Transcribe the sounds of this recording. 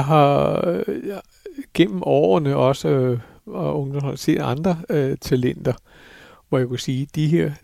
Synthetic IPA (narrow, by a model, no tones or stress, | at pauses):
ɦɑ̈ | ɡ̥en̰m̩ʔɒ̰ːɐnəɒ̽s | ɔ̽ŋd̥ɒmhɑ̈se̝̰ːd̥ɑ̈nd̥ʁɐt͡sʰælen̰d̥ɐ | ʋɒjakʰusiːd̥iɦeɐ̰